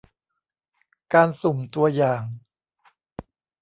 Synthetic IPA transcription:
kaː˧nso˨˩mt̪u˧ɐjaː˨˩ŋ

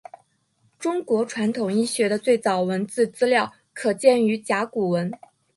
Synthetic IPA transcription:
ʈ͡ʂʊ˥ŋkwɔ˧˥ʈ͡ʂʰwa˧˥nt̪ʰʊ˨˩ŋi˥˩ɕɥɛ˧˥d̪ə˧t͡swe˥˩ɪt͡sɑ˨˩ʊwə˧˥nt͡sɹ̩˥˩t͡sɹ̩˥ljɑ˥˩ʊ | kʰɤ˨˩t͡ɕjɛ˥˩ny˧˥t͡ɕja˧˥ku˨˩wə˧˥n

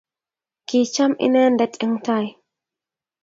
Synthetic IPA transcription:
kiːt͡ʃːɐ˦mʔɪ̰neː˦nd̪ɛ˨t̪ʼɪ˦ŋt̪a˦˨j

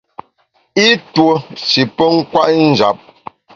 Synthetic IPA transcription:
i˦two˨si˨pə˦ŋ̩˦kwa˦ʔn̩˦˨d͡ʒa̰˨˦p̚

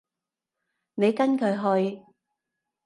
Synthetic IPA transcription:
ne˨˧jkɐ˥nkʰɵ˨˧ɥɦɵ˧ɥ

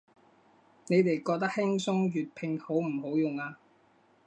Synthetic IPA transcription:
ne˨˧jt̪e˨˩jkɔː˧k̚t̪ɐ˥k̚hɪ˥ŋsʊ˥ŋjyː˨t̚pʰɪ˧ŋho˨˥wm̩˨˩ho˨˥wjʊ˨˩ŋaː˧

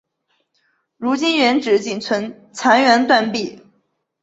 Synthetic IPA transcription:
ɻu˧˥t͡ɕi˥nɥɛ˧˥nʈ͡ʂɻ̩˧˥t͡ɕi˨˩nt͡sʰwə˧˥n | t͡sʰa˧˥nɥɛ˧˥nt̪wa˥˧npi˥˩

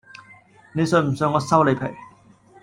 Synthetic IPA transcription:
ne˨˧jsœː˨˧˩m̩˨˩sœː˧ŋːɔː˨˧sɐ˥wle˨˧jpʰe˨˩j

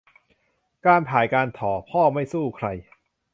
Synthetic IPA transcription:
kaː˧npʰaː˩˦jkaː˧nt̪ʰɔː˩˦pʰɔː˥˩ma˥˩jsuː˥˩kʰɾa˧j

